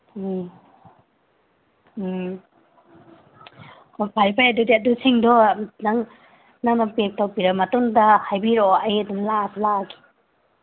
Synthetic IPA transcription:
pʰalpʰajɐdudiadusiŋdɔmnaŋ | naŋnapek̚tawpiɾamɐtuŋdɐhajbiɾɔɐjɐdumlaslaɡi̥

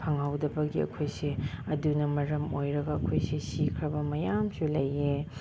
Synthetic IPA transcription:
pʰɐŋhawdɐbɐɡiɐ̰kʰojsiɐdunɐmɐɾɐmojɾɐɡɐɐkʰojsisikʰɾɐbɐmɐjamsulɐje

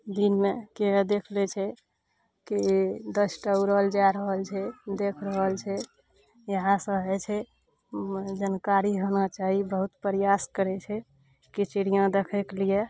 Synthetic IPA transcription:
d̪inmekeɦd̪ekʰlɛt͡ʃʰɛ | kid̪əsʈauɾəɦəld͡ʒaɾəɦəlt͡ʃʰɛd̪ekʰɾəɦəlt͡ʃʰɛ | jəɦãsə̃ɦɛt͡ʃʰɛ | d͡ʒənkaɾiɦonat͡ʃaɦibəɦut̪pɾijaskəɾɛt͡ʃʰɛ | kit͡ʃiɽijãd̪ekʰekelije

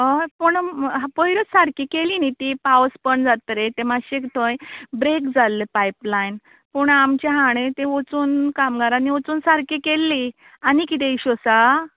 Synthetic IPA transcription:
əpəɳɦapɔjɾət͡ssaɾkikelinit̪ipawspəɳd͡zat̪ɾet̪emaɕekʈ̪ʰojbɾekd͡zalːepajplajn | puɳamt͡ɕeɦãɽ̃ẽt̪ẽot͡suːnkamɡaɾanːiot͡suːnsaɾkikelːi | anikit̪ẽiɕosa

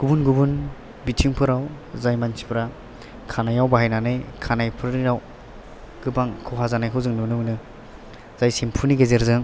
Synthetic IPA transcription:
ɡ̥ubunɡubun | bitʰiŋpʰɯɾaw | zajmansʰi̥pʰɾa | kʰanajawbaɦajnanɯjkʰanajpʰɯɾniɾaw | ɡ̥ɯbaŋkʰɯwɦazanajkʰɯwzɯŋnunɯŋnɯ | z̥ajsempʰuniɡezeɾzɯŋ

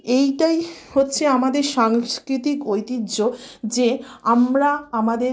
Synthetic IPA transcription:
ejʈajhotːɕʰeamad̪eɾʃaŋskɾit̪ikojt̪idːd͡ʑod͡ʑeamɾaamad̪e

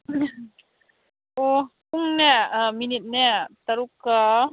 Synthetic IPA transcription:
ʔopuŋnɛaminit̪̚nɛt̪aɾuka

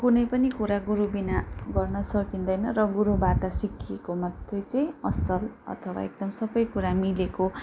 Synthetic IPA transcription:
kunʌjpʌnikuɾaɡuɾubinaɡʌrnʌsʌkind̪ʌjnʌrʌɡuɾubaʈʌsikʰekomʌd̪ʰʱjʌt͡sʌĩʌsʌlʌ̰t̪ʰʌwa̰ek̚d̪ʌmsʌbʌjkuɾamileko

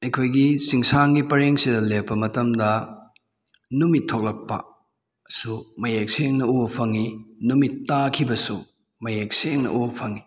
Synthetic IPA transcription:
ɐjkʰojɡisiŋsaŋɡipɐɾeŋsidɐlepːɐmɐtɐmdɐ | numitʰːok̚lɐk̚pɐ̰ | sumɐjek̚seŋnɐupʰɐŋinumitːakʰibɐsu | mɐjek̚seŋnɐ̰ʔubɐpʰɐŋi

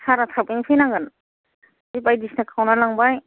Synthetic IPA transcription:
saɾatʰapɯnipʰɯjnaŋɡan | ibajdisnakʰawnalaŋbaj

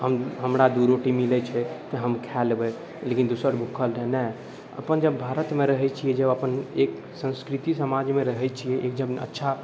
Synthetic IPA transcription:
ɦəmɦəmɾad̪uɾoʈimilɛt͡ʃʰɛt̪əɦəmkʰɛlbɛ | lekind̪usəɾbʱukʰəlɾɛnɛ | ə̰pənd͡ʒəbːʱaɾət̪meɾəɦɛt͡ʃʰijɛd͡ʒəbəpənek | sə̃nskɾit̪isəmad͡ʒmeɾəɦɛt͡ʃʰijɛʔek̚dəmə̰tːʃʰa

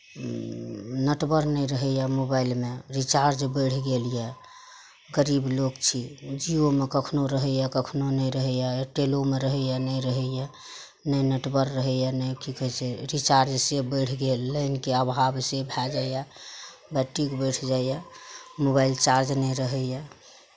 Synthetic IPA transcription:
nəʈbəɾnəjɾəɦɛjamobailmeɾit͡ʃaɾd͡ʒbəɽ̤ʰɡelijɛ | ɡəɾibloɡt͡ʃʰid͡ʒiomekəkʰnoɾəɦəjɛkəkʰnonəjɾəɦɛjaʈelomeɾəɦəjanəjɾəɦəjɛ | nəjnəʈbəɾːəɦəjɛnəjkʰikɦəseɾit͡ʃaɾd͡ʒsebəɽʰɡelːənkeəbʱabsebʱɛd͡ʒaja | bɛʈːikbəʈʰd͡ʒajamobailt͡ʃaɾd͡ʒnɛjɾəɦəjɛ

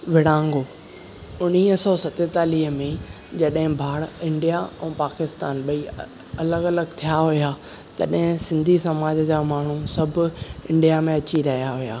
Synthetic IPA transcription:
ʋɪɽ̤ãːŋɡoː | ʊniːɦəsɔːsɐt̪et̪aːliːɦəmẽ | d͡ʑɐɗɦɪ̃bʱaːɽɪ̃ɳɖijaɛ̃ːpaːkɪst̪aːnɓɐi | ɐləɡɐləɡt̪ʰijaɦuja | t̪ɐ̰ɗɦɪ̃sɪ̃nd̪ʱisɐmaːd͡ʑəd͡ʑaːmaːɳ̤usɐbʱɪ̃ɳɖijamẽɐt͡ɕiɾɐɦijaɦujaː

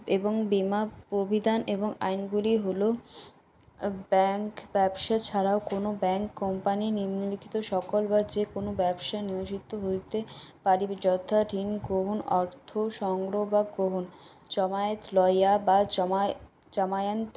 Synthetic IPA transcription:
eboŋbimapɾobʱid̪ʱaneboŋa̰jnɡuliɦolo | bɛŋkbɛbʃat͡ɕʰaɾaokonobɛŋkːɔmpaniniɾmnolikʰi̥t̪oʃɔkolbad͡ʑekonobɛbʃanioʃit̪ːoɦoɾt̪epaɾibed͡ʑɔd̪ʱaɾinɡɾoɦonɔɾt̪ʰoʃɔŋɡɾobaɡɾoɦon | d͡ʑɔmaet̪lɔjaba | d͡ʑamajant̪

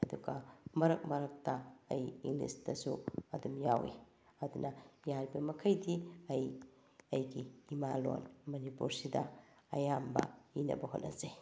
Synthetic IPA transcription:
ɐduɡɐmɐɾɐk̚mɐɾɐk̚tɐɐjiŋlḭstɐsuɐdumjawḭ | ɐdunɐjaɾibɐmɐkʰɐjdiɐj | ɐjɡiːmalo̰nmɐnipuɾsidɐ | ɐjambɐ̰inɐ̰bɐɦo̰nʔɐ̰ze

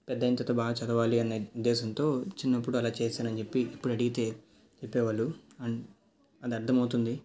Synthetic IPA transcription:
pɛd̪ːɐjɐnt̪ɐt̪ɐbaːɡɐt͡ʃɐd̪ɐʋaːliɐnːɐud̪ːɛːsɐnt̪o̞ːt͡ʃinːɐpːuɽuɐlaːt͡ʃeːsaːnɐnt͡ʃepːiːpːuɽɐɽiɡit̪e̞ː | t͡ʃepːɛːʋaɭːuɐ | ɐd̪iɐɾd̪ʱɐmɐwut̪und̪i

